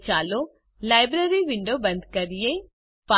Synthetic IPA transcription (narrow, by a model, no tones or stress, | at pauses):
t͡ʃaːloː | laːɪjbɾeːɾiʋɪ̃ɳɖoːbə̃nd̪kəɾɪe | pa